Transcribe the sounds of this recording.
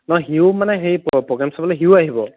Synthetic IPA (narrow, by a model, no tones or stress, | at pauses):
nɔxiʊmanɛxejppɹɔɡɹɛmsabɔlojɦiʊaɦibɔ